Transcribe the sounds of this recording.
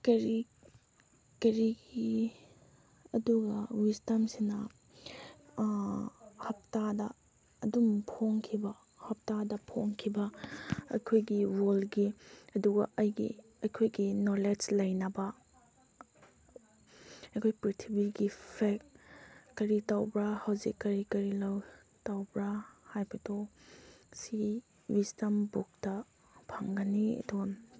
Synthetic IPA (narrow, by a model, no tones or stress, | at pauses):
kɐɾi | kɐɾiɡi | ɐduɡɐwistɐmsinɐ | hɐp̚tadɐː | dumpʰoŋkʰibɐ | hɐp̚tadɐpʰoŋkʰibɐɐ̰jkʰojɡiwolɡiɐduɡɐʔɐjɡḭ | ɐjkʰojɡinoled͡ʒlɐjnɐbɐ | ɐjkʰojpɾitʰibiɡipʰekkɐɾitawbɾɐhɐwzḭkːɐɾikɐɾilɐw | tawbɾahajbɐto | si | wistɐmbuk̚tɐ | pʰaŋɡɐniɐ̰duɡɐ